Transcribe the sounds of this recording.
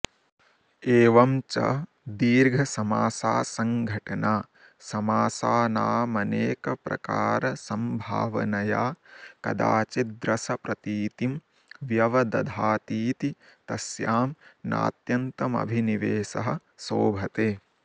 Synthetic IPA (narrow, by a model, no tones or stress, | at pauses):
eːʋɐmt͡ʃɐ̰ | d̪iːɾɡʱɐsɐmaːsaːsɐŋɡʱɐʈɐnaː | sɐmaːsaːnaːmɐneːkɐpɾɐ̰kaːɾɐsɐmbʱa̰ːʋɐnɐjaːkɐ̰d̪a̰ːt͡ʃid̪ɾɐsɐpɾɐt̪iːt̪im | ʋjɐʋɐd̪ɐd̪ʱaːt̪iːt̪i | t̪ɐsjaːmna̰ːt̪jɐnt̪ɐmɐ̰bʱiniʋeːsɐɦɐ̆ | soːbʱɐt̪eː